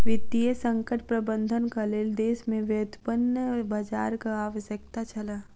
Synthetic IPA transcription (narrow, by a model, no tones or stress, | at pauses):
ʋɪt̪ːijəsə̃ŋkəʈ̚pɾɐbə̃nd̪ʱənkɐleːld̪eːsmẽʋjət̪pənəbad͡ʒaːɾkaaːʋəʃjək̚t̪at͡ʃɐla